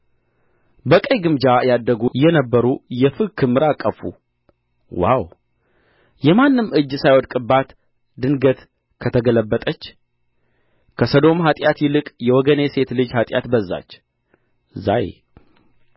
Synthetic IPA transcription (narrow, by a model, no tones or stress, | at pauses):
bəkʼəjɡɨmd͡ʒajad̪ːəɡujɛnəbːəɾujɛfɨkʰɨmːɨɾakʼːəfṵ | wa̰w | jɛmanːɨmɨd͡ʒːsajwɔd̪kʼɨbat̪ | d̪ɨnɡət̪ | kʰət̪ʰəɡələbːət̪ʼət͡ʃː | kʰəsəd̪o̞mɦat̪ʼjat̪jɪlɨkʼjɛwɔɡəne̞se̞t̪lɨd͡ʒhat̪ʼja̰t̪bəzːa̰t͡ʃː | za̰jḛ